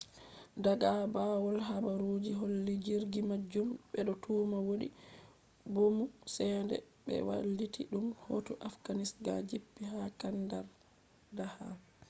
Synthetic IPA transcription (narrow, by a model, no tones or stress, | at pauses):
daɡabawɔlɦabaɾud͡ʒiɦolːid͡ʒiɾɡimad͡ʒumɓɛɗɔtʰuːmawoɗḭ | bomusɛndɛ̰ | ɓɛ̰wa̰lːitʰiɗumho̰tuʔafɡ̥anisɡa̰d͡ʒipːiɦakandaɾ | daha